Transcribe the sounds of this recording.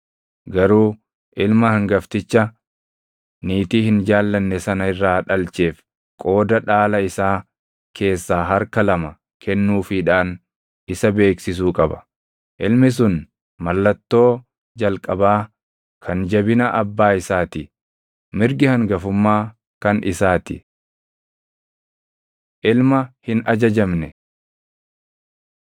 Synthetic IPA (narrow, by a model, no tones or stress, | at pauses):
ɡɐɾuː | ʔɪlmɐhɐŋɡɐft̪ɪt͡ʃːɐ | niːt̪iːhɪnd͡ʒaːlːɐnːɛsɐnɐɪrːaːᶑɐlt͡ʃe̞ːf | kʼo̞ːd̪ɐᶑaːlɐɪsaː | kʰe̞ːsːaːɦɐɾkɐlɐmɐ | kʰɛnːuːfɪᶑaːn | ɪsɐbe̞ːksɪs̬uːkʼɐbɐ̥ | ʔɪlmɪs̬ʊn | mɐlːɐt̪ːo̞ː | d͡ʒɐlkʼɐbaː | kʰɐnd͡ʒɐbɪnɐʔɐbːaːɪsaːt̪ɪ | mɪɾɡɪhɐŋɡɐfʊmːaː | kɐnʔɪsaːt̪ɪ̰ | ʔɪlmɐhɪnʔɐd͡ʒɐd͡ʒɐmnɛ